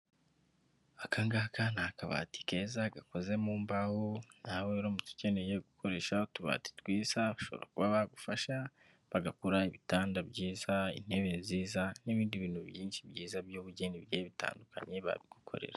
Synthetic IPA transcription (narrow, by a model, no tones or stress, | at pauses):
akaŋɡakanakaβa̰ti̥kezaɡako̞ze̞muːmbahon̥haweɾoːmutu̥ce̞ne̞je̞ɡukʰo̞ɾe̞ːʃaotuβa̰ti̥twiːz̥aβaʃo̞β̰ɾa̰kuβaβaɡufaʃa | βaɡakuɾaiβitaːndabɟiːzaḭn̥he̞βe̞nziːzaniβiːndiβiːnhuβjiːnʃibɟiːzabjoːβuɟeːnibɟeβita̰ːndukʰa̰ɲe̞βa̰βiɡ̥ukʰo̞̰ɾe̞̰ɾa